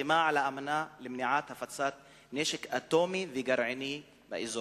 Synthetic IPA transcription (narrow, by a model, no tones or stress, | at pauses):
imaʕalaʔamanalemniʕat̪hafat͡sat̪̚ | neʃekʔat̪omiveɡaɾʕani | ba̰ʔizo